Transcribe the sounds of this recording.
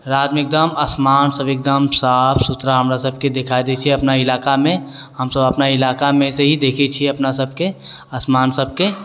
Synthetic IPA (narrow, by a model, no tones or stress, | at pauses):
ɾaːd̪mɪk̚d̪əmɐsmaːnsəbek̚d̪əmsapʰsʊt̪ɾaɦəmɾasəb̚ʱked̪ekʰaid̪et͡ʃʰieɐpnaɪlaːkamẽ | həmsəbəpnaɪlaːkamẽseɦid̪eːkʰet͡ʃʰieɐpnasəb̚ʱke | əsmaːnsəb̚ʱke